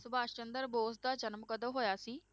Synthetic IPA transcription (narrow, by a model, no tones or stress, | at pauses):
sʊbaːʃt͡ʃənd̪əɾboːsd̪aːt͡ʃənəmkəd̪əmɦoːjaːsiː